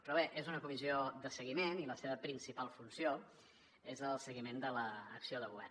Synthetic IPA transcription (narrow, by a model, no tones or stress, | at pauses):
pɾɔβeʔezunəkumiziod̪əsəɣimeniləseβəpɾinsipalˠfunsio | ezəlˠsəɣimend̪ələːksioðəɣuβɛ̰r